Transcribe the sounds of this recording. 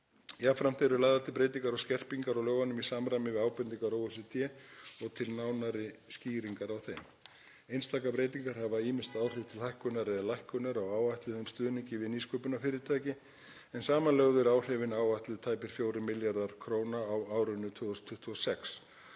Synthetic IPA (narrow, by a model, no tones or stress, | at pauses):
jafɾam̥t̪eɾʏlaːjðat̪ɪlpɾeːjt̪̬iŋkaɾawscɛr̥piŋkaɾawlœːɣvanʏmisaːmɾajmɪvɪðaːwpʏnt̪iŋkaɾawʏsʏt̪ʰjɛːɔɣt̪ʰɪlnaːwnaɾɪsciːɾiŋkaɾawθejm | ejnst̪aːkapɾejt̪iŋkaɾ̥havaiːmɪst̪aːwr̥ɪv̥t̪ʰɪlhajhkʏnaɾɪðalajhkʏnaɾawaːwvajht̪lɪðʏmst̪ʏːðniɲcɪvɪðniskœːpʏnafɪːɾɪt̪ʰaːjcɪ | ɛnsaːmalœɣðʏɾaːwr̥ɪvɪnaːwajht̪lɪðt̪ʰaːjpɪɾ̥fjoːwɾɪmɪljaɾðaɾ̥kʰɾoːwnaːwaːwɾʏnːʏt̪ʰʏːɔst̪ʰʏht̪ʰuɔsɛks